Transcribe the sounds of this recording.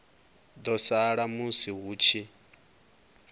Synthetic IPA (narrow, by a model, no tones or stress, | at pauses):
d̪ɔsaɺamusiɦuːt͡ʃʰi